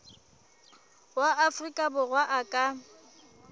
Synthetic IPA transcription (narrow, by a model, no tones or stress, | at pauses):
waafrikʼabʊɣwaʔakʼa